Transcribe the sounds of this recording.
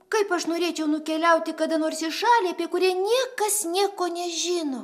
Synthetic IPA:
kɐɪpɐʃnoːɾʲeːt͡ʃʲɛʊnʊkʲɛlʲɛʊt̪ʲɪkɐd̪ɐnoːrsɪʃɑːlʲiɐpʲiɛkʊɾʲiɛnʲiɛkɐsnʲiɛkoːnʲɛʒʲɪnoː

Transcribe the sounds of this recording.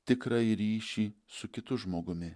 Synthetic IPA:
t̪ʲɪkɾɐɪɾʲiːʃʲiːsʊkʲɪt̪ʊʒmoːɡʊmʲɪ

